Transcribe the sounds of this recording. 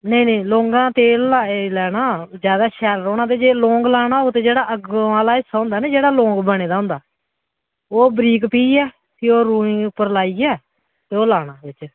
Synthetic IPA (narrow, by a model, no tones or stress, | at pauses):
neinẽːloːŋɡãːt̪eːlaelɛːɽaːd͡ʒjaːd̪aːʃɛːɾəɾoːñãːt̪eːd͡ʒeːlõːŋɡlaːɽ̃aːoːt̪eːd͡ʒeːɽaːʔəɡaːlaːɪsːaːɦʊ̃nd̪aːneːd͡ʒeːɽaːlõːŋɡbəɽ̃eːd̪aːɦʊ̃nd̪aː | oːbɾiːkpiːɛː | t̪eːoːɾũːĩːʊpːəɾlaːiːɛː | t̪eːoːlaːɽ̃aːbɪt͡ʃ